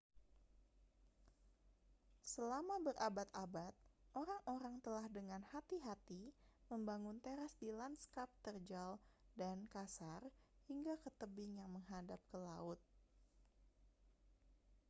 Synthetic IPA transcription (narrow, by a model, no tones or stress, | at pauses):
səlamabərabat̪abat̪̚ʔoɾaŋʔoɾaŋt̪əlahdəŋanhat̪iɦat̪iməmbaŋʊnt̪eɾasdilanskap̚t̪ərd͡ʒaldankasarhiŋɡakət̪əbiŋjaŋməŋɦadap̚kəlaʊt̪̚